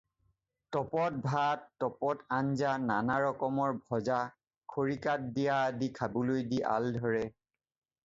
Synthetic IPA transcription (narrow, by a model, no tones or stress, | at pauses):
tɔpɔt̚bʱattːɔpɔtanzananaɹɔkɔmɔɹbʱɔza | kʰoɹikat̚dijadikʰabʊlojdiʔa̰ldʱɔɹɛ